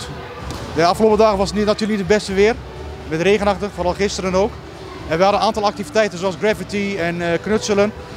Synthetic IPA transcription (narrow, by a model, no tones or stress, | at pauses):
jaɑfxəloːpədaːɣəʋɑsənnatyːrləknitdəbɛstəʋɪːər | mɛtreːɣənɑχtəfoːrɑlˠχɪstəɾənoːk | ɛnʋəjhɑdənaːntɑlˠɑktivitɛjtənzoɑlˠzɡrɛvitiɛnknɵtsələn